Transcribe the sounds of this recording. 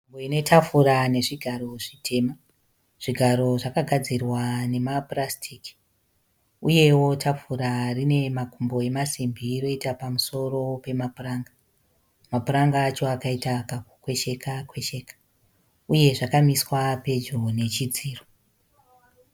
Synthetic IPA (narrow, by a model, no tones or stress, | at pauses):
umboine̞tʰafuɾane̞ʐiɡʱaɾo̞ʐitʰe̞ːma | ʐ̥iɡʱaɾo̞ʐakaɡʱad͡zirwane̞maprastʰiːki̥ | uje̞wo̞tʰafuɾarine̞makumbo̞e̞masimbiːɾo̞itapamuso̞ro̞pe̞mapuraːŋɡa | mapuɾaŋɡaːt͡ʃo̞akaitakakukwe̞ʃe̞kakwe̞ʃe̞kḁ | uje̞ʐakamiswape̞d͡ʒone̞t͡ʃid͡ziːro